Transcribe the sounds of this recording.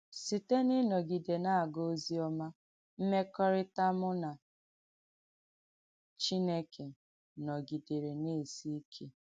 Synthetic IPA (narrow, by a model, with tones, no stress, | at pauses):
si˨te˦nɪ˦nɔ˨ɡi˨de˨na˦˨a˨ɡo˦zi˦ɔ˦ma˦ | m̩˦me˦kɔ˦ɾɪ˦ta˦mʊ˦na˨ | t͡ʃi˦ne˦kʰe˨ | nɔ˨ɡi˨de˨ɾe˨ne˦˨si˦kʰe˦